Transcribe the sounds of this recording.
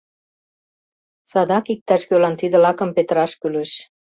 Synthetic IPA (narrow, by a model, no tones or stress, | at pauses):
sɑd̪ɑkik̚t̪ɑʃkølɑnt̪id̪ə̆lɑkə̆mpet̪əɾɑʃkylɘ̆ʃ